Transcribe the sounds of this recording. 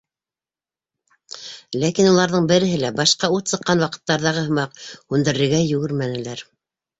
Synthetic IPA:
lækinulˠɑɾðɤɴbɘ̆ɾɘ̆ɦɘlæbɑʃqɑut̪sɤ̆qːɑnwɑqɤ̥̆t̪ːɑɾðɑʁɤhɤ̆mɑqhʉnd̪ɘ̆ɾɘ̆ɾɡæjɵ̆ɡɘɾmænɘ̆læɾ

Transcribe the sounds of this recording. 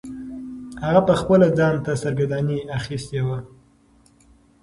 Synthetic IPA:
haɣapəxpəlad̪ɑnt̪asaɾɡad̪ɑniaxist̪ewa

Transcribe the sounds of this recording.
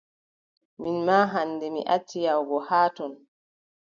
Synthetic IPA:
minmaːɦanːdɛmḭʔatːijawɡɔhaːtɔn

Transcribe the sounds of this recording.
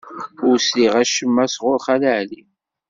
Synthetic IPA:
ʊɾsliʁæʃəmːæsʁʊɾχæləʕli

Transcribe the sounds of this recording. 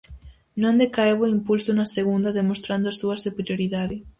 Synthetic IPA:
nõnd̪ekaeβoimpulsonaseɣund̪aðemost̪ɾand̪oasuɐsupeɾjoɾiðaðe

